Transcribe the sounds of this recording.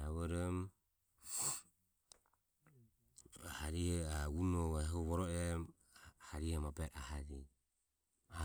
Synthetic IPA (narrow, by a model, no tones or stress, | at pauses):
aβɔɾɔm | haɾihɛaunɔaɦuβɔɾɔɛm | haɾihɛmapɛɾahaɾi | a